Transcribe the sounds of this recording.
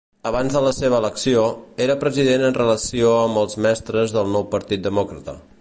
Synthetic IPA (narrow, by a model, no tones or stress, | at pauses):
əβanzðələseβəːləksioeɾəpɾəziðenənrələsioəmbəlˠzmɛst̪ɾəzðəlˠnɔwpəɾt̪it̪̚d̪əmɔkɾət̪ə̰